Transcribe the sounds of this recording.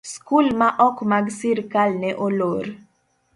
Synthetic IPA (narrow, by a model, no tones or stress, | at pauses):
skulmaʔɔkmaɡsiɾkalnɛʔoloɾ